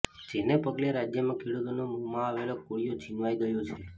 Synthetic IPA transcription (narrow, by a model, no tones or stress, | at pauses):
d͡ʒenepəɡleɾad͡ʒjəmãkʰiɽut̪onomumãaʋelokoɽijot͡ʃinʋajɡəjot͡ʃʰe